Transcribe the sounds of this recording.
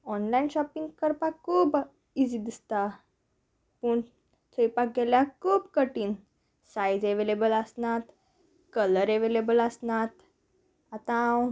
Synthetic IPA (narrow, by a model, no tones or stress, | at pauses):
ɔnlainɕɔpiŋɡkəɾpakuːb | id͡zid̪ist̪a | pəːɳ | t͡səjpak̚ɡɛljakʰuːbkəʈiːn | sajd͡zeʋelebələsnat̪ | kələɾeʋelebələsnat̪ | at̪ã